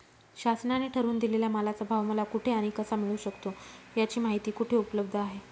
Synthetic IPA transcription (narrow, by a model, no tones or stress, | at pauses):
ɕasnaniʈʰəɾuːnd̪ileljamalat͡səbʱaʋməlakuʈʰeaɽ̃ikəsamiɭuːɕəkt̪ojat͡ɕiːmaɦit̪iːkuʈʰeupləb̚d̪ʱəaɦe